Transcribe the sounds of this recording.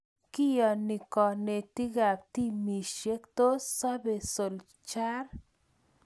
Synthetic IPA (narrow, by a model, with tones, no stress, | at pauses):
ki˦jɔ˨ni˨kɔ˨ne˨t̪i˦ɡa˨p̚t̪i˦mi˨ʃe˦kt̪o˦sɔ˦be˨so˨l | t͡ʃa˦ɾ